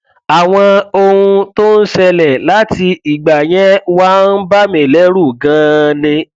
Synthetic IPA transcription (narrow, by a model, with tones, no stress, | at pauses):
a˨w̃ɔ̃˧o˧hũ˧to˦n̩˦ʃɛ˧lɛ˨la˨˦ti˧i˨ɡ͡ba˨j̃ɛ̃˦wa˦n̩˦ba˦mĩ˨lɛ˨˦ɾu˦˨ɡã˨˦nĩ˧